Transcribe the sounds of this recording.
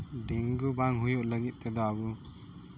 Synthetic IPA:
ɖiŋɡubaŋɦujuʔləɡit̪̚ˀt̪ɛd̪ɔabu

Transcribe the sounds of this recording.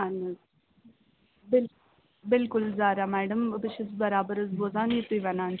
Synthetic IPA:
anɐ | bɪl | bɪlkʊlzaːɾaːmɛːɖəməbəʃɪzbɐɾaːbəɾɐzboːzaːnit̪uʋɐnaːn

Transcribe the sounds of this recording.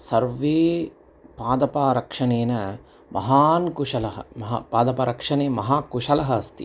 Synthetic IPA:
sɐɾʋeː | paːd̪ɐpaːɾɐkʂɐneːnɐ | mʔɐ̰ɦaːnkuʂɐlɐɦɐ̰mɐɦapaːd̪ɐpaːɾɐkʂɐneːmɐɦaːkuʂɐlɐɦɐɐst̪ḭ

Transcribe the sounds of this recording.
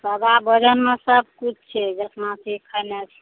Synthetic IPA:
pəbabəd͡ʒənmẽsəb̚kut͡ʃʰt͡ʃʰɛd͡ʒətnasikʰənet͡ʃʰ

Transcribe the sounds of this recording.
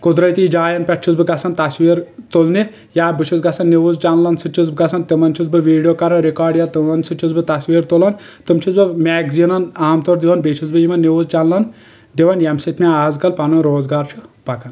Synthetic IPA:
kud̪ɾɐjt̪iːd͡ʒaːjɐnpʲɛʈ̚t͡ʃʰuzbɨɡɐsɐnt̪ɐsʋiːɾt̪olni | jaːbɨt͡ʃʰuzɡɐsɐnːiʋuzt͡ʃɐnlɐnsɨt͡ʃʰuzb̚ɡɐsʰɐnt̪ɨmɐnt͡ʃʰuzbɨʋiːɖijoːkɐɾɐnɾikaːɾɖjat̪ɨmɐnsɨt͡ʃʰuzbɨt̪ɐsʋiːɾt̪olɐn | t̪ɨmt͡ʃʰuzbɨmɛːɡzinɐnaːmt̪oɾd̪iʋɐnbet͡ʃʰuzbɨjimɐnːiʋuzt͡ʃɐnlɐn | ɖiʋɐnjɐmsit̪ʰmʲaaːzkɐlpɐnunɾoːzɡaːɾt͡ʃʰupɐkɐn

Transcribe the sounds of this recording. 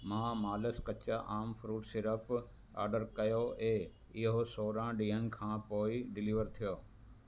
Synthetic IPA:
mãːmaːləskɐt͡ɕaʔaːmfɾuːʈsɪɾəp | a̰ːɾɖəɾkɐjoeː | ɪɦosoːɾãːɖĩːɦənɪ̆kʰãːpoːiɖɪliːʋəɾt̪ʰijoː

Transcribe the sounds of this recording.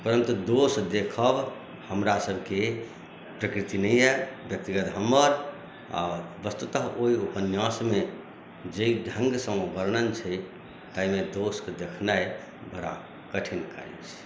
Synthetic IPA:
pəɾə̃nt̪d̪osd̪ekʰəb | həmɾasəbʱke | pɾəkɾit̪inəjɛbjək̚t̪iɡət̪ɦəmːəɾ | a̰bəst̪ut̪əɦoiupənjãsme | d͡ʒeiɖʱə̃ŋɡsə̃bəɾnənt͡ʃʰəj | t̪aimed̪osked̪ekʰnaj | bəɾa̰ | kəʈʰinkə̰ɾḭt͡ʃʰ

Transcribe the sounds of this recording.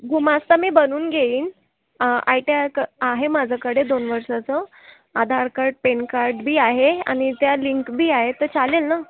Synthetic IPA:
ɡumast̪amiːbənuːnɡʱeiːn | a̰jʈjakəaɦemad͡zʱəkəɽ̤ed̪onʋəɾʂat͡sə | ad̪ʱaɾkaɾʈ̚penkaɾʈbʱiːaɦea̰ɽ̃it̪jaliŋkbʱiːaɦet̪əɾt͡salelna

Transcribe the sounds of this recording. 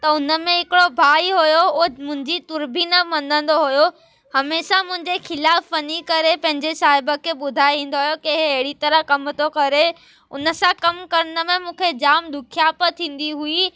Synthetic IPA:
t̪ɐʊnə̆mẽɦɪkɪɽobʱaːiɦujoomʊ̃ɦɪ̃ɲd͡ʑit̪ʊɾbʱinɐmɐ̃nd̪ʱə̃nd̪oɦujo | hɐmeːʃamʊ̃ɦɪ̃ɲd͡ʑexɪlaːfʋɐnikɐɾepɐ̃ɦɪ̃ɲd͡ʑesaːɦɪbəkʰeɓʊd̪ʱaːeʋĩːn̆d̪oɦʊjokiɪɦɐɦɪɽit̪ɐɾəkɐmt̪ʰokɐɾe | ʊnə̆sãkɐmkɐɾənə̆mẽmũːkʰed͡ʑaːmd̪ʊkʰijaːpət̪ʰĩːn̆d̪iɦui

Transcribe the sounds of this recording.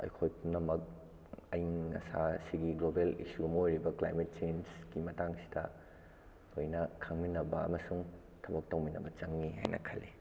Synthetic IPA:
ɐ̰jkʰojpunɐmɐk̚ | ɐjːɐ̰sasiɡiɡlobelḭsuɡɐmojɾibɐklajmet̚t͡ʃensɡimɐtaŋsi̥dɐ | ojnɐkʰɐŋminɐbɐɐ̰mɐsuŋ | tʰɐbɐk̚tɐwminɐbɐt͡ʃɐŋːiɦa̰jnʔɐ̰kʰɐlːi

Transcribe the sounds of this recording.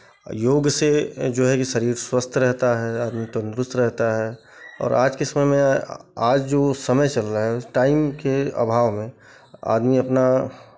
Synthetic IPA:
joːɡsed͡ʒoːɦɛkiʃɐɾiːɾswəst̪ʰɾɛɦt̪aɦɛaːd̪mit̪ond̪ɾʊst̪ɾɛɦt̪aɦɛ | ɔ̰ːɾʔaːd͡ʒkesɐməjmẽaːd͡ʒd͡ʒoːsɐməjt͡ʃɐlt̪aɦɛʊsʈaːɪmkeə̰bʱaːʋmẽ | a̰ːd̪miɐpna

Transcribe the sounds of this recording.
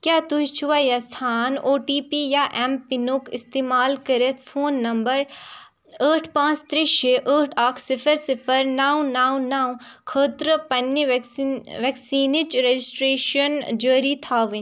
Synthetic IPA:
kjaːt̪uɦit͡ʃʰuʋajɐsʰaːnoːʈiːpijaʔɛmpinukɪst̪eːmaːlkɐɾet̪ʰfʰoːnːɐmbəɾ | əːʈʰpãːt͡ʃt̪ɾeʃeːʔəːʈʰaːkʰsɪpʰəɾsɪpʰəɾnaːwnaːwnaːwkʰəːt̪ɾəpɐnʋʋɛksiːnɪt͡ʃɾed͡ʒɪsʈɾeːʃənd͡ʒəːɾit̪ʰaːʋin

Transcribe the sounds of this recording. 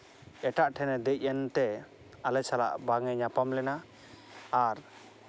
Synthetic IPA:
ɛʈaʔʈʰɛnɛd̪əc̚ˀɛnt̪ɛ | alɛsala̰ʔbaŋɛɲapamlɛnaː | ɾ

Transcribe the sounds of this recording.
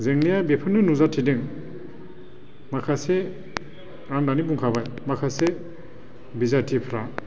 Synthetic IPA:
zeŋnijabepʰɯnːɯnuzatʰidɯŋ | makʰase | aŋdanibuŋkʰabajmakʰase | bizatʰipʰɾa

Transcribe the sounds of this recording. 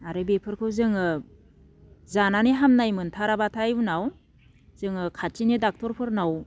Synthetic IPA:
aɾɯbepʰɯɾkʰɯwzɯŋɯ | zananiɦamnajmɯntʰaɾabatʰajunaw | z̥ɯŋɯkʰatinidak̚tʰɔɾpʰɯɾnaw

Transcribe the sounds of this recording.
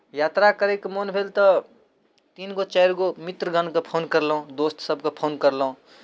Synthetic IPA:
jaːt̪ɾakəɾekmonbʱelt̪ə | t̪iːnɡot͡ʃɛɪɾɡomɪt̪ɾəɡʱənkapʰoːnkəɾlõd̪oːst̪səbʱkopʰoːnkəɾləɦõ

